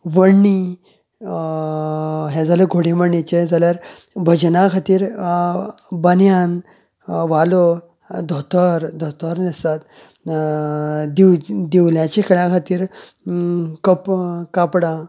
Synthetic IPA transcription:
ʋəɽni | ɦɛd͡zʱaleɡʱoɽiməɳːit͡ɕed͡zaljaɾ | bʱəd͡ʑnakʰat̪iːɾ | bənjan | ʋalo | d̪ʱot̪əɾd̪ʱɔt̪əɾnist̪at̪ | d̪iwd̪iwljãt͡ɕekʰəɭãkʰat̪iːɾ | kəpkapɽa

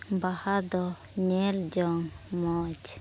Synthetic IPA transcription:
bahad̪ɔ | ɲɛld͡ʒɔŋmɔd͡ʒ

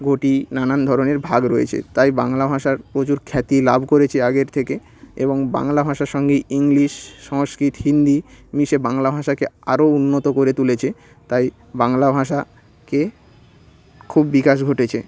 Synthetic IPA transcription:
ɡʱoʈinanand̪ʱɔɾoneɾbʱaɡɾojḛt͡ɕʰḛt̪ajba̰ŋlabʱaʃaɾpɾot͡ɕuɾkʰɛt̪ilabʱkoɾet͡ɕʰeaɡeɾt̪ʰeke | ḛboŋba̰ŋlabʱaʃaɾʃɔŋɡeiŋliʃːɔŋskɾit̪ɦind̪imiʃebaŋlabʱaʃakeaɾounːot̪okoɾet̪ulet͡ɕʰe | t̪aj | baŋlabʱaʃa | ke | kʰubːikaʃ̬ɡʱoʈet͡ɕʰe

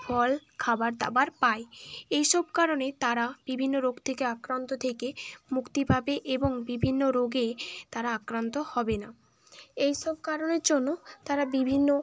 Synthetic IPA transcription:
bʰʱɔlkʰabaɾd̪a̰baɾpaeejʃɔb̚kaɾonet̪aɾab̥ibʱinːoɾoɡt̪ʰekeakɾant̪ot̪ʰekemukt̪ibʱabeʔeboŋbibʱinːoɾoɡet̪aɾaakɾant̪ohɔbena | ejʃɔb̚kaɾoneɾd͡ʑonːot̪aɾabibʱinːo

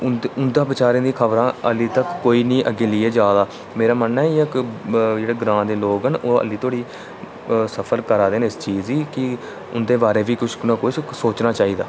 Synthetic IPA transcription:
ʊʊnd̪ãːbɪt͡ʃaːɾẽːd̪iːkʰəʋɾãːəliːt̪əkːoːiːnĩːʔəɡeːlɪːeːd͡ʒaːd̪aː | meːɾaːmənːaːiəkd͡ʒeːɽeːɡɾãːd̪eːloːkɦənoːə̰liːt̪ʰoːɽiː | səpʰəɾkəɾaːd̪eːnɪst͡ʃiːziːkɪ | ʊnd̪eːbaːɾeːʋiːkʊt͡ʃnãːkʊsoːt͡ʃnaːt͡ʃaːiːd̪aː

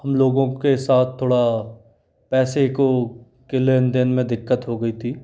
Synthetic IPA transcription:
ɦɐmloːɡõkesaːt̪̚ʰt̪ʰːoːɽa | pɛːseko | kɪleːnd̪ɪnmẽd̪ɪkːət̪ɦoɡɐit̪ʰiː

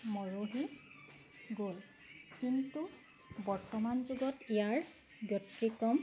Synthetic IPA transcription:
mɔɹoɦi | ɡol | kintu | bɔɹtɔmanzuɡɔtijaɹ | bjɔtɹikɔm

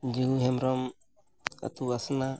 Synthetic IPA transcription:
d͡ʒiuɦɛmɾɔm | a̰t̪uasna

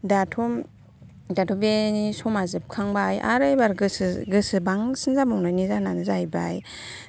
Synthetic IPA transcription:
datʰɔm | datʰɔbenisɔmazɯp̚kʰaŋbajʔa̰ɾɯjbaɾɡɯsɯɡɯsɯbaŋsɯnzamɔŋnanizananɯzajba̰j

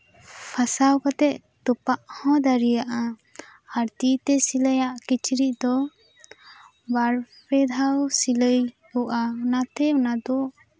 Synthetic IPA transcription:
pʰasawkɔt̪ɛʔ | t̪upaʔhɔ̃d̪aɾijaʔa | aɾt̪it̪ɛsiləjaʔkit͡ʃʰɾiʔ̚d̪ɔ | baɾpɛd̪ʱawsiləj | uʔanat̪ɛunad̪ɔʔ

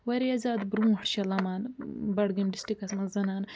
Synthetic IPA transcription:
wɐɾiɐzaːd̪bɾũːɦɐʈt͡ʃʰɐlɐmaːnbɐɽɡimɖisʈɾikɐsmɐzɐnaːn

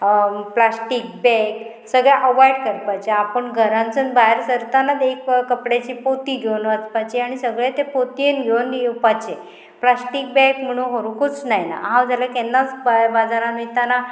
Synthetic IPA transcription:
plasʈik̚bɛk | səɡɭeʔəʋajɽkəɾpat͡ɕeapəɳɡʱəɾãnt͡sənbaɦeɾsəɾt̪anad̪ekkəpɽat͡ɕipot̪iːɡʱewnʋət͡spat͡ɕeaɽ̃isəɡɭet̪epot̪ienɡʱewnd̪pat͡ɕe | plasʈik̚bɛ̃km̤əɽ̃ũnɦoɾukut͡snajna̰ɦãwd͡zalakɛnːat͡sbabad͡zaɾãmit̪ana

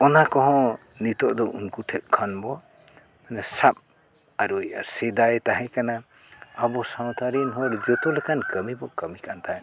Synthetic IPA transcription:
ɔnakɔɦɔ̃ | nit̪ɔʔd̪ɔʔunkuʈʰɛʔ̚kʰanbɔ | manasap̚ | aɾuja̰ɾsed̪ajt̪aɦɛkana | abɔsawt̪ʰaɾinɦɔɾd͡ʒɔt̪ɔlekʰankəmibɔkəmikʰant̪ʰaj

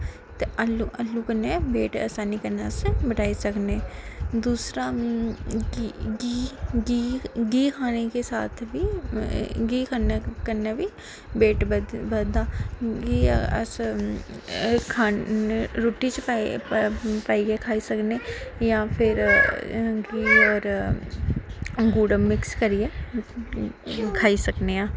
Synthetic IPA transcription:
t̪eːəluʔəlːuːkənːeːbeːʈə̰saːniːkəneəsbəʈaːiːsəkneːd̪uːsɾaː | ɡiːɡiːɡiːkʰaːneːkeːsaːt̪ʰʋiː | ɡiːkʰaːneːkəneːʋiː | beːʈbəd̪aːɡiːəs | kʰaːɾoːʈit͡ʃpː | paːiekʰaːisəknejapʰɪɾ | ɡiːɔːɾ | ɡuːɖəmmːɪkskəɾie | kʰaːisəkneãː

